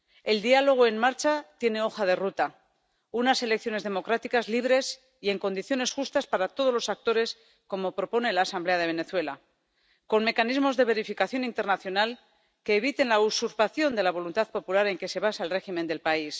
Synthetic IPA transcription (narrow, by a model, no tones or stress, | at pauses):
e̞ld̪ialo̞ɣ̞o̞e̞nmaɾt͡ʃat̪je̞ne̞o̞xaðe̞rut̪a | unase̞lek̚θjo̞ne̞zðe̞mo̞kɾat̪ikazliβ̞ɾe̞s | ie̞ŋko̞nd̪iθjo̞ne̞sxust̪aspaɾat̪o̞ð̞o̞zlo̞sak̚t̪o̞ɾe̞s | ko̞mo̞pɾopo̞nelaːsamble̞að̞e̞β̞e̞ne̞θwe̞la | ko̞nme̞kanizmo̞zðe̞β̞e̞ɾifikaθjo̞nint̪e̞ɾnaθjo̞nal | ke̞ːβ̞it̪e̞nlausuɾpaθjo̞nd̪e̞laβ̞o̞lunt̪aðpo̞pulaɾe̞ŋke̞se̞β̞asaelre̞ximend̪e̞lpais